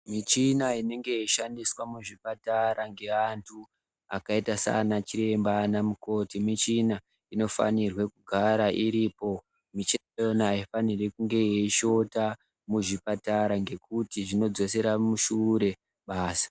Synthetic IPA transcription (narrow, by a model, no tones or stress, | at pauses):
mit͡ʃinaine̞ŋɡe̞iʃandiswamuʐipataɾaŋɡe̞antʰu | a̰kaitasa̰nat͡ʃiɾe̞mbanamuko̞timit͡ʃina | ino̞fa̰nirwe̞kuɡʱaɾaʔiɾiːpo̞ | mit͡ʃi | jonaifanirekuŋɡe̞jeiʃo̞ta | muʐipataɾaŋɡe̞kutiʐino̞d͡zo̞se̞ɾamuʃuɾe̞ | ɓaːsḁ